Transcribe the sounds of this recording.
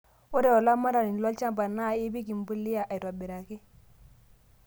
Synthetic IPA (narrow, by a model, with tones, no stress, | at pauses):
u˦ɾe˦o˨la˦mːa˦ɾa˨ɾi˨n˨lo˦lt͡ʃa˦mba˨na˦˨i˦bi˦ki˨m˦bu˦lːi˦ja˨ʔa˨i˨ɾo˨bi˨ɾa˨ki˦